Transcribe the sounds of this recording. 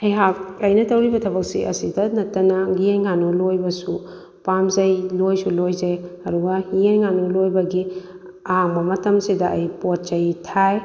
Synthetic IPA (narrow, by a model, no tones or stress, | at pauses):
ɐjɦak̚ɐjnɐtɐwɾibɐtʰɐbɐk̚siʔɐ̰sidɐnɐtːɐnɐɡiejŋanulojbɐsu | pamzɐjlojsulojzeɐduɡɐhiejŋanulojbɐɡi | ɐɦaŋbɐmɐtɐmsidɐʔɐjpot̚t͡ʃɐjtʰaj